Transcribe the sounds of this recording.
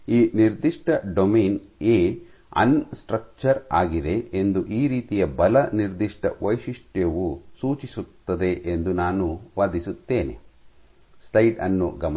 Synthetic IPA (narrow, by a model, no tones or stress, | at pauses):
iːniɾd̪iʂʈɐɖomeːneː | ɐ̰nsʈɾɐk̚t͡ʃɐɾaːɡid̪e̞end̪uʔiːɾiːt̪ijɐbɐlɐniɾd̪iʂʈɐ̰ʋɐjʂiʂʈeʋusuːt͡ʃisut̪ːɐd̪e̞ʔend̪unaːnuʋaːd̪isut̪ːeːnḛ | sʈɐjɖɐnːṵɡɐm